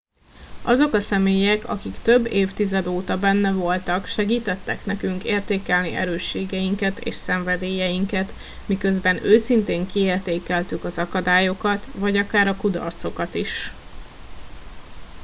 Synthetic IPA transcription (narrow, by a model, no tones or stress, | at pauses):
ʔɒzo̞kɒsɛmeːjɛkɒ̰kikt̪ø̞bːeːft̪izɛd̪oːt̪ɒbɛnːɛvo̞lt̪ɒkʃɛɡiːt̪ɛt̪ːɛknɛkyŋkeːrt̪eːkɛlniʔɛ̰ɾøːʃːeːɡɛjiŋkɛt̪ḛːʃsɛɱvɛd̪eːjɛjiŋkɛt̪ | mikø̞zbɛnøːsint̪eːŋkieːrt̪eːkɛlt̪ykɒzɒkɒd̪aːjo̞kɒt̪vɒɟɒkaːɾɒkud̪ɒ̰rt̪so̞kɒt̪iʃ